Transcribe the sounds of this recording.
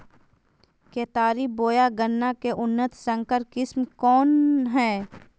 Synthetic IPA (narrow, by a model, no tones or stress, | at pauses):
keːt̪aːɾiboːjaɡənːakeʔʊnːət̪sə̃ŋkəɾkɪsmkɔːnɦɛː